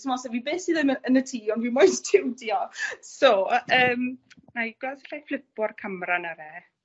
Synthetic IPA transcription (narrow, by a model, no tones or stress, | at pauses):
səmɔsɛvibeːsiðɪməənətʰiːɔndwimojstʰɪwdiɔsoəːm | najɡ̥laðɛɬajflɪpɔrkʰəmranaɾɛ